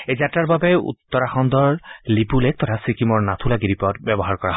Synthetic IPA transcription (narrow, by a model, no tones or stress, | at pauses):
ejzatɹaɹbabɛṵt̪ːɔɹaxɔnd̪ɔɹlipulɛk̚t̪ɔtʰasikimɔɹnat̪ʰulaɡidipɔtbɛbɔɦaɹkɔɹaɦ